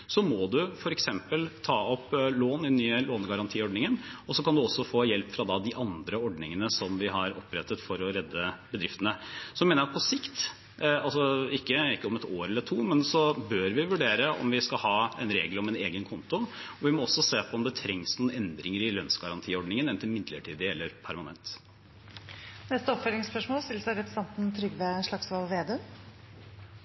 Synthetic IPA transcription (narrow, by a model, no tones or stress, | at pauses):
sɔmɔd̪ʉfɔɾɛksɛmpəlt̪ʰɑːɔpːloːnɪd̪nːyːəloːnɡɑɾɑnt̪ʰiːɔɖɳnɪŋənɔsɔkʰɑnd̪ʉɔsːɔfoːjɛlpːfɾɑd̪ɑd̪ɪʔɑnd̪ɾəɔɖnɪŋənəsɔmʋɪɦɑɾɔpːɾɛt̪ːət̪fɔɾɔɾɛd̪ːəbəd̪ɾɪft̪ənəsɔmeːnəɾɑt̪pʰɔsɪkt̪ | ɑlsɔɪkːəɪkːəɔmɛt̪oːɾɛlːəʈʰuːmɛnsɔbøːɾʋɪʋʉɖeːɾəɔ̰mʋɪskɑhɑːɛ̰nɾeːɡlɔmɛneːɡənkʰɔnt̪ʊ | ɔʋɪmɔɔsːɔseːpʰɔɔmd̪ɛt̪ʰɾɛŋsnuːnɛnd̪ɾɪŋəɾɪlœnsɡɑɾɑnt̪ʰiːɔɖnɪŋənɛnt̪ʰɪlmɪd̪ləʈʰiːd̪ɪɛlːəɾpʰæɾmɑnɛ̰nt̪ | nɛst̪əɔpfœlɪŋspœʂmoːlst̪ɪlːəsəɾɛpɾəsɛnt̪n̩t̪ʰɾʏɡʋeʂɭɑksʋɑlʋeːd̪øː